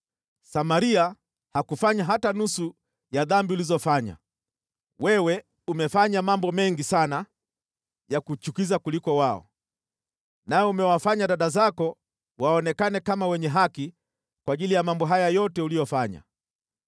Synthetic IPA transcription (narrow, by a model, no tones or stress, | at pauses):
samaɾia | hakufaɲaɦatanusu | jaðambiulizɔfaɲa̰ | wɛwɛ | umɛfaɲamambɔmɛŋɡisana | jakut͡ʃukizakulikɔwaɔ̰ | naɛumɛwafaɲaɗaɗazakɔ | waɔnɛkanɛkamawɛɲɛɦaki | kwaːʄilijamambɔɦajajɔtɛulijɔfaɲa̰